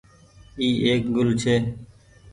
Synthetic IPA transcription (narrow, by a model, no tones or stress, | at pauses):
iːʔeːk̚ɡʊlt͡ʃʰeː